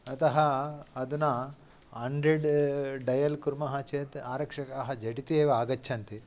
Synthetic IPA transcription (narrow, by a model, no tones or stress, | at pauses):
ɐt̪ɐɦɐɐd̪ɐnɐ | ɦɐɳɖɾeɖɖɐjɐlkuɾmɐɦɐt͡ʃeːt̪aːɾɐkʂɐkɐɦɐd͡ʒɐʈit̪ieːʋɐaːɡɐt͡ʃːt͡ʃʰɐnt̪i